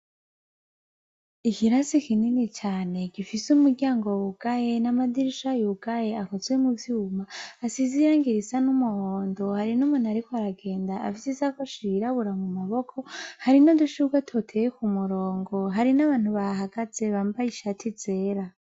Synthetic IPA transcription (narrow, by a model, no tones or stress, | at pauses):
ikiɾasikininit͡ʃaːne̞ɡifisumuɡɟjaːŋɡowβuɡ̥ajenamadiɾiʃajuɡ̥ajeakozwemuvjuːmaːsiziɾaːŋɡiɾisanumuhoːndo̞haɾinumunaɾikwaɾaɡe̞ːndaʔa̰fisizakoʃiɾaβuɾamumaβokʰo̞haɾinoduʃuɡwatʰotʰejekumuɾoːŋɡo̞ɦaɾinaβaːn̥huβaɦaɡ̥az̥e̞βaːmbajiʃatʰize̞ːɾa